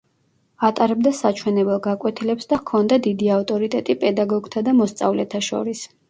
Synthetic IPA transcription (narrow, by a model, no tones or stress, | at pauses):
at̪ʼaɾɛbd̪asat͡ʃʰwɛnɛbɛlˠɡakʼwɛt̪ʰilɛpsd̪akʰɔnd̪ad̪id̪iaft̪ʼɔɾit̪ʼɛt̪ʼipʼɛd̪aɡɔɡt̪ʰad̪amɔst̪sʼa̰vlɛt̪ʰaʃɔ̰ɾis